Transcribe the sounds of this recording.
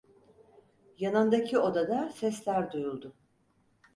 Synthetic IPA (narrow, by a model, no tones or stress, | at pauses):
janand̪acʰio̞d̪ad̪asɛslʲæɾd̪ujulˠd̪ʊ